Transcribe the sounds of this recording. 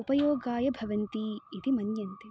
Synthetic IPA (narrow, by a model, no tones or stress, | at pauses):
upɐjoːɡaːjɐbʱɐʋɐnt̪iːt̪imɐnjɐnt̪i